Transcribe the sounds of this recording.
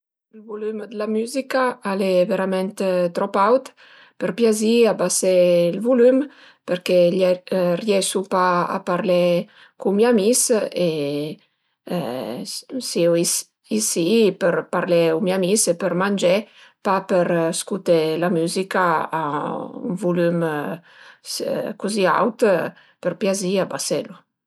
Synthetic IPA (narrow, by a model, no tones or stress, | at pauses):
əlvulymd̪əlamyzikaaleveɾamɛnt̪t̪ɾɔpawt̪ | pəɾpjaziabaseilvulym | pəɾkeʎrjɛsupaa̰paɾle | kumjamise | siuis | isipəɾpaɾlɛumjamisɛpəɾmand͡ʒɛpapəɾskut̪ɛlamyzika̰ː | ṵnvulym | kuzia̰wt̪ | pəɾpjaziabasɛlu